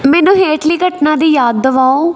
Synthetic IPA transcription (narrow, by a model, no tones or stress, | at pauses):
mɛːnũːɦeːʈliːɡəʈnãːd̪iːjaːd̪ːəʋaːõː